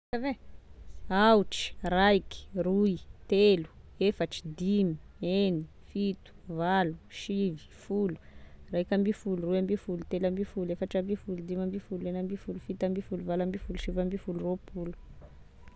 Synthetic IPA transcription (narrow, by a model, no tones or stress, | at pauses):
əve | awʈ͡ʂi̥raiki̥ruit̪elu̥efaʈ͡ʂi̥d̪imieni | fit̪u̥valuʃivi̥fulu̥rajkʲambifuluruambifulut̪elambifulefaʈ͡ʂambifulud̪imambifulenambifulufit̪ambifuluvalambifuluʃivambifuluropʰulu̥